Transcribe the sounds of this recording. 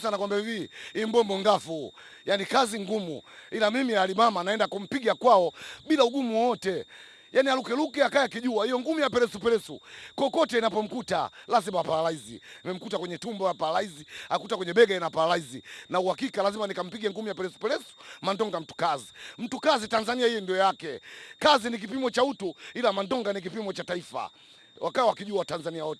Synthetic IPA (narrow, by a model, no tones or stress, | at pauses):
sanakwambɛviimbɔmbɔŋɡafu | janikaziŋɡumṵilamimialimamanaɛndakum̩piɡakwaɔɓilauɡumuɔtɛ | janialukɛlukiakajakiʄuahijɔŋɡumujapɛɾɛsupɛlɛsukɔkɔtɛinapɔm̩kuta̰lazimaapaɾalaizḭnmɛm̩kutakwɛɲɛtumbɔapaɾalaiziakutakwɛɲɛɓɛɡaɛnapaɾalaizinauhakikalazimanikam̩piɡɛŋɡumujapɛɾɛsu̥pɛɾɛsu̥mandɔŋɡam̩tu̥kazim̩tukazitanzaniahijɛndiɔjakɛkazinik̬ipimɔt͡ʃautuilamandɔŋɡanik̬ipimɔt͡ʃataifa̰ | wʔakaɛwakiʄuatanzaniawɔtɛ